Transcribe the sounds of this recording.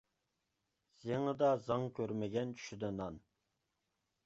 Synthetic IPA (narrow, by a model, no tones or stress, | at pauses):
z̥eŋəd̪ɑzɑŋkʲʰøɾmɛɡʲɛnt͡ʃʰy̥ʃyd̪ɛnɑn